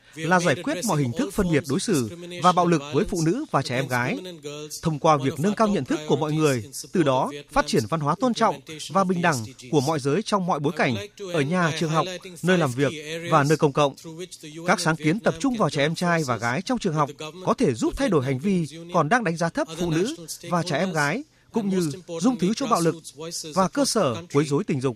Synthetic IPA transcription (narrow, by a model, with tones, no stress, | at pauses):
laː˨˩zaː˧˩jkwi˦˥ət̚mɔ̰˧˨jhï̟˨˩t̪ʰɨ˦˥k̚fə˧nɓi˨˩ət̚ɗo˨˦jsɨ˧˩vaː˨˩ɓa̰ː˧˨wlɨ˨˩k̚vəː˨˦jfṵ˧˨nɨ̰˧˥vaː˨˩t͡ɕɛ˧˩ʔɛ˧mɣaː˨˦jt̪ʰə˧wŋ͡mkwaː˧vi˨˩ək̚nə˧nkaː˧wɲə̰˧˨nt̪ʰɨ˦˥kːu˧˩əmɔ̰˧˨jŋɨ˨˩əjt̪ɨ˨˩ɗɔ˨˦faː˦˥t̚t͡ɕi˧˩ənva˧nɦwaː˨˦t̪o˧nt͡ɕɔ̰˧˨wŋ͡mvaː˨˩ɓï˨˩ŋ̟ɗa˧˩ŋku˧˩əmɔ̰˧˨jzəː˨˦jt͡ɕɔ˧wŋ͡mmɔ̰˧˨jɓo˨˦jka˧˩jŋ̟ʔəː˧˩ɲaː˨˩t͡ɕɨ˨˩əŋɦɔ˨˩wk͡p̚nəː˧jlaː˨˩mvi˨˩ək̚vaː˨˩nəː˧jkə˧wŋ͡mkə̰˧˨wŋ͡mkaː˦˥k̚saː˨˦ŋki˨˦ənt̪ə˨˩p̚t͡ɕʊ˧ŋ͡mvaː˨˩wt͡ɕɛ˧˩ʔɛ˧mt͡ɕaː˧jvaː˨˩ɣaː˨˦jt͡ɕɔ˧wŋ͡mt͡ɕɨ˨˩əŋɦa˨˩wk͡p̚kɔ˨˦t̪ʰe˧˩zu˦˥p̚t̪ʰa˧jɗo˧˩jɦa˨˩jŋ̟vi˧kɔ˨˩nɗaː˧ŋɗa˨˦jŋ̟zaː˨˦t̪ʰə˦˥p̚fṵ˧˨nɨ̰˧˥vaː˨˩t͡ɕɛ˧˩ʔɛ˧mɣaː˨˦j | kʊ̰˧˥ŋ͡mɲɨ˧zʊ˧ŋ͡mt̪ʰɨ˨˦t͡ɕɔ˧ŋ͡mɓa̰ː˧˨wlɨ˨˩k̚vaː˨˩kəː˧səː˧˩ku˨˦əjzo˨˦jt̪ï˨˩ŋ̟zʊ˨˩k͡p̚